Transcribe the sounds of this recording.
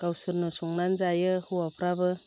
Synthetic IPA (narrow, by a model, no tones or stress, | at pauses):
ɡ̥awsɯɾnɔsɔŋnanzajɯhuwapʰɾabɯ